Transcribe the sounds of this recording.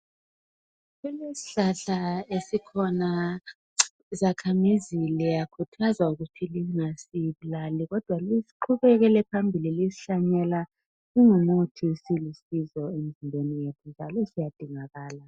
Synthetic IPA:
ɣɛlesi̥ɬaɬaesikʰɔna | zakʰamizilijakʰutʰazauɣutʰiliŋasiβulaliɣɔd̥ʱwalisi̥ǃʰuβɛɣɛlɛpʰambʱililisi̥ɬaɲɛla | iŋumutʰiusilisizɔem̩zinbʱwenijetʰund͡ʒʱalɔsijad̥ʱiŋaɣaːla

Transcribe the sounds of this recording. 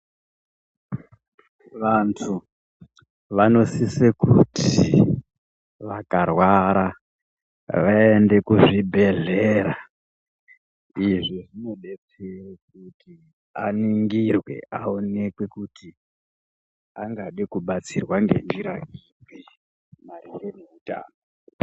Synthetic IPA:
ʋantʰu | ʋano̞sisekutʰi | ʋakarwaɾa | ʋaende̞kuʐibʱe̞ɮeɾa | iʐiʐino̞ɗe̞t͡seek̚uti | a̰niŋɡirwe̞̰ʔaonekwe̞kuti | aŋɡaɗikuɓat͡sirwaŋɡe̞̰nd͡ʒiɾaimwi | marijeneuta̰ːno

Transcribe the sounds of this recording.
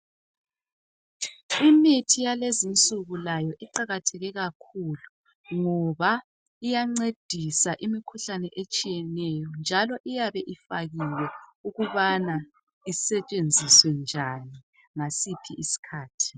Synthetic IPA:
imitʰijalezint͡sʼuɣulajɔʔiǃaɣatʰɛɣɛɣakʰulu | ŋɔβa | ijaŋ͡ǀed̥ʱisaʔimikʰuɬanɛʔet͡ʃʼijɛnɛjɔnd͡ʒʱalɔʔijaβɛʔifaɣilɛuɣuβana | isɛt͡ʃʼend͡zʱiswɛnd͡ʒʱani | ŋasipʰiʔisi̥kʰaːtʰi̥

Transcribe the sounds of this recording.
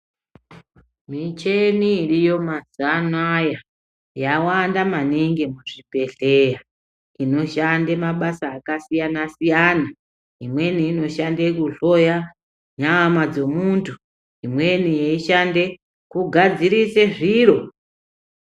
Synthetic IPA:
mit͡ʃe̞niːrijo̞mazanwaja | jawandamaniŋɡemuʐipe̞ɮe̞ja | ino̞ʃandemaɓasaːkasijanasijana | imwe̞niino̞ʃande̞kuɬo̞ja | ɲamad͡zo̞muntʰu | imwe̞nijeiʃande̞ | kuɡʱad͡ziɾiseʐiɾo̞

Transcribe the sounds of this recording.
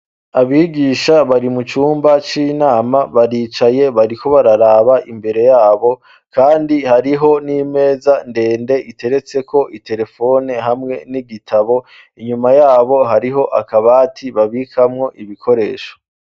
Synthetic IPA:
aβiːɡiːʃaβaɾimut͡ʃuːmbat͡ʃiːnaːmaβaɾiːt͡ʃaje̞βaɾiko̞βaɾaɾaːβaʔimbe̞ɾe̞jaːβo̞ | kaːndihaɾiɦo̞niːme̞ːzande̞ːnde̞ʔite̞ɾe̞t͡se̞kʰo̞ʔite̞ɾe̞fo̞ne̞ɦamŋe̞niɡitʰaβo̞ | iɲumajaːβo̞ɦaɾiɦo̞ʔakaβaːtʰiβaβikʰamŋo̞ʔiβikʰo̞ɾe̞ːʃo̥

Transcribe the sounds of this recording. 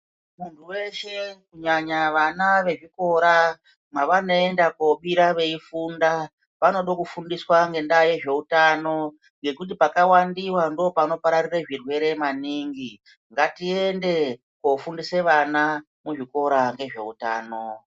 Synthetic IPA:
muntʰuwe̞ʃe̞kuɲaɲaʋanaʋe̞ʐiko̞ɾa | mwaʋanoe̞ndakoɓiɾaʋe̞ifunda | pano̞ɗokufundiswaŋɡe̞ndaje̞ʐe̞utano̞ | ŋɡe̞kut̬ipakawandiwando̞pano̞paɾarireʐirwe̞ɾe̞maniŋɡi | ŋɡatie̞nde̞ | kofundiseʋana | muʐiko̞ɾaŋɡe̞ʐe̞̰uta̰ːno̞

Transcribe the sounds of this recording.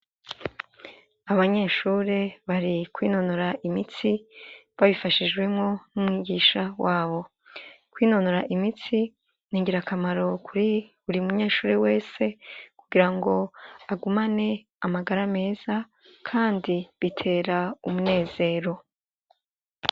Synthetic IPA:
aβaɲe̞ːʃuːɾe̞βaɾikwiːno̞noɾaʔimit͡siβaβifaʃid͡ʒɡwemŋo̞numŋiːɡiʃawʔaːβo̞ | kwiːno̞noɾaʔimit͡si | niːŋɡiɾakʰamaɾo̞kuɾ | uɾiumuɲe̞ːʃuːɾe̞we̞ːse̞kuɡiɾaŋɡo̞aɡumane̞ | amaɡaɾame̞ːz̥a | kʰaːndiβitʰe̞ːɾaumune̞ːz̥e̞ːɾo̞

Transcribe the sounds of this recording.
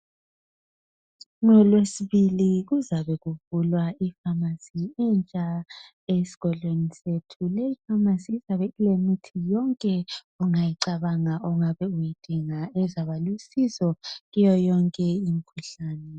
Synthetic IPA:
ŋɔlwesiβiliɣuzaβɛɣuvulwaifamasiint͡ʃʼa | esi̥ɣɔɮwenisetʰuleifamasizaβɛilemitʰijɔŋkʼɛ | uŋajiǀaβaŋaʔɔŋaβɛujid̥ʱiŋaɛzaβalusizɔɣijɔjɔŋkʼɛimikʰuɬaːnɛ

